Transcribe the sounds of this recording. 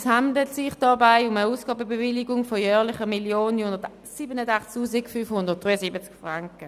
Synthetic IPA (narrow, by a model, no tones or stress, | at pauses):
shandlətsɪχd̥ɑbaɪʊməuːsɡ̥ɑːbəbevɪliɡʊŋfojœːʁlɪχəmiljoːnhʊndət | siːbənədaχt͡stʰuːsikfyfhʊndəʁt̚d̥ʁiɐsibət͡skfʁaŋkə